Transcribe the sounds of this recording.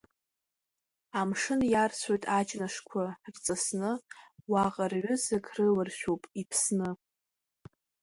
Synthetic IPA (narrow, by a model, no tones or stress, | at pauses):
amʂɨnjarsʷʰojtʼat͡ʃʼnaʂkʷʰart͡sʼasnɨwaqʼarʕʏzakʰʼrɨlɨrʃᶣopʼipʰsnɨ